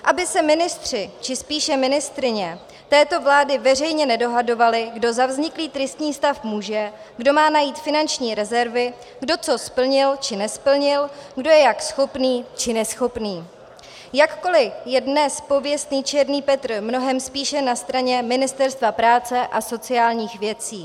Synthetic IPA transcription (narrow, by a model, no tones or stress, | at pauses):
ʔabɪsɛmɪnɪst̪r̝̥ɪt͡ʃɪspiːʃɛmɪnɪst̪ɾɪɲɛ | t̪ɛːt̪o̞vlaːdɪvɛr̝ɛjɲɛnɛdo̞ɦado̞valɪɡdo̞zavzɲɪkliːt̪ɾɪst̪ɲiːst̪afmuːʒɛ | ɡdo̞maːnajiːt̪fɪnant͡ʃɲiːɾɛzɛɾvɪ | ɡdo̞t͡so̞spl̩ɲɪlt͡ʃɪnɛspl̩ɲɪlɡdo̞jɛjaksxo̞pniːt͡ʃɪnɛsxo̞pniː | jakko̞lɪjɛdnɛspo̞vjɛst̪niːt͡ʃɛɾniːpɛt̪r̩mno̞ɦɛmspiːʃɛnast̪ɾaɲɛmɪnɪst̪ɛɾst̪vapɾaːt͡sɛʔaso̞t͡sɪaːlɲiːxvjɛt͡siː